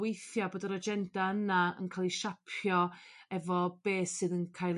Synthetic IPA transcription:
wejθjaboːdəɾɔd͡ʒɛndaənaə̰nkʰajlˠiʃapʰjɔɛvɔb̥eːsɨðənkʰajlˠ

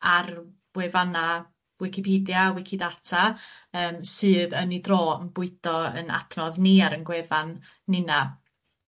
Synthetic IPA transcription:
ar | b̥wɛvana | wɪkʰɪpʰiːdjawɪkʰɪdatʰaəːmsɨːðənidroːənbʊɨdɔə̰na̰tʰnɔðniaɾənɡwɛvanː | ɪna

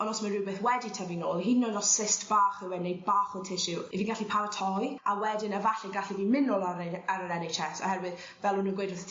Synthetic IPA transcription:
ɔnɔsmanrɪbɛθwɛditʰavinoːlˠhinːɔlɔssɪstb̥aːχɪwɛnejd̚baːχʊtʰɪʃɪwiviːnɡaɬipʰaɾatʰɔjawɛdɪnəvaɬɛɡaɬiviːnmɪnɔlˠaɾaɾəɾɛnejt͡ʃʰɛsɔ̰hɛrwɪð | vɛlˠhunuːnɡwejdrəθ

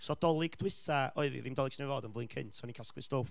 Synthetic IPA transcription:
sɔd̥ɔlˠɪɡdwɪθaɔɨðḭðɪmdɔlˠɪɡsnɛvɔdənvlˠɨnkʰɪ̰ntʰsɔnikʰasklˠɨstoːf

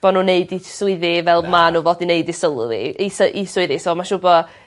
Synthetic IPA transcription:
b̥ɔnuneɨdisʊɨðɪvɛlˠmanuvoːdineɨdɪsəlˠʊ̰ðḭsəʔisʊɨðɪsɔmaʃʊbɔ

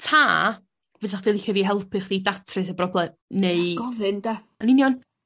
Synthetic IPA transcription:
tʰaː | vɛsaχd̥elˠɪkaviːɦɛlˠpʰɨχdiːdatʰrɨθəbrɔblˠɛ | neɨɡ̥ɔvɨnda | aninijɔn

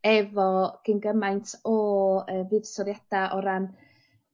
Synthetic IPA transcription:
ɛvɔɡ̥ənɡəmajntʰɔəːvɨvsɔɾjad̥aʔɔɾan

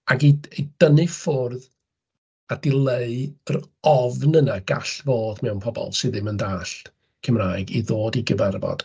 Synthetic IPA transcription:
aɡiid̥ənɨfʊrð | ad̥ɪlˠeɨər | ɔvnənaɡa̰ɬvoːdmɛwnpʰɔbɔ̰lˠsɨðɪməndaːɬ | kʰəmraːjɡiðoːdiɡəvɛrvɔ̰d̥

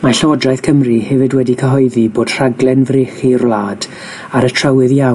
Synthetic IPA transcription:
marɬəwɔdrajθkʰəmrihɛvɨdwɛdikʰəɦɔɨðiboːd̥r̥aɡlˠɛnvrɪːχirlˠaːd̥ | aɾətʰrəwɨðja

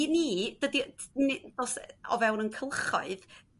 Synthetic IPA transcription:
niːd̥ədind̥ɔːsɔ̰vɛwnənkʰəlˠχɔ̰ɨð

